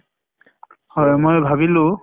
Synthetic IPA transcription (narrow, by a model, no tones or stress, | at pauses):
hɔjmojbʱabilʊ